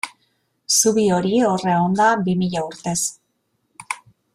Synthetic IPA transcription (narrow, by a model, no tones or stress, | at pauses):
suβio̞ɾio̞reond̪abimiʎauɾt̪e̞s